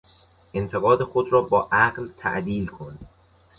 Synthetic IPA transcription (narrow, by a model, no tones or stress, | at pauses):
ʔent̪ʰe̞ɣɒːd̪e̞xod̪ɾɒːbɒːʔæɢlt̪ʰæ̰ʔd̪iːlkʰon